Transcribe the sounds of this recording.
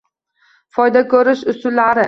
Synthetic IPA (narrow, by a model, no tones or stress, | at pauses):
fɒjd̪akʰɵɾɪʃʊsʊlːaɾɪ